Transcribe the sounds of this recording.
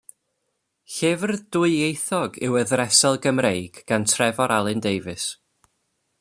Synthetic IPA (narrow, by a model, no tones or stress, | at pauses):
ɬɪvrd̥ʊɨejθɔɡɪ̰wəðrɛsɛlˠɡəmrejɡ̥ɡ̥antʰrɛvɔɾalˠɨndejvɨs